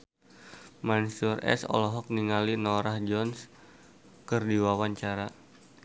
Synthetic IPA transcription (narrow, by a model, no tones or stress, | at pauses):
mansurɛ̰sɔ̰lɔɦɔk̚niŋalinɔɾahd͡ʒɔns | kɨrdiwawaɲt͡ʃaɾa